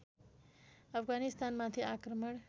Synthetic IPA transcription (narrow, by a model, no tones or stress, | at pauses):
ʌpʰɡanist̪anmat̪ʰiakɾəməɳ